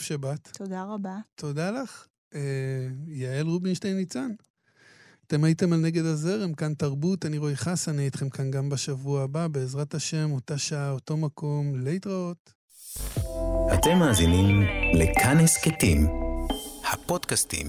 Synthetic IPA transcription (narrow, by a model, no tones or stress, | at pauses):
ʃabatt̪od̪aʁabato̞dalaχ | ejaelʁubinʃtejnit͡san | ate̞maite̞malne̞ɡe̞daze̞ʁemkantaʁbutaniʁoeχasaniajitχe̞mkanɡambaʃavuaːbabe̞ːzʁataʃe̞motaʃaaoto̞makʰo̞mleitʁaot | hat̪emːaːzinimlekʰanhesketim | hapodkastḭm